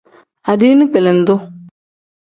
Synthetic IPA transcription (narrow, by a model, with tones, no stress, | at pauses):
a˨di˦nĩ˦k͡pɛ˨lɛ˨n̩˨d̪ʊ˦